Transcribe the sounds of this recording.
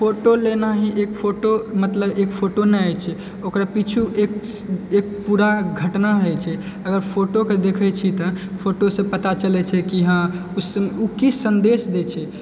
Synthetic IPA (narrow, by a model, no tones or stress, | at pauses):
pʰoʈolenaɦiʔekpʰoʈomət̪ləbekpʰoʈonɛajt͡ʃʰɛ | okɾapit͡ʃʰuʔek | ek̚puɾaɡʱəʈnaɾəɦɛt͡ʃʰɛ | əɡəɾpʰoʈoked̪ekʰɛt͡ʃʰit̪ɔpʰoʈosə̃pət̪at͡ʃəlɛt͡ʃʰɛkiɦãusukisːənd̪esd̪et͡ʃʰɛ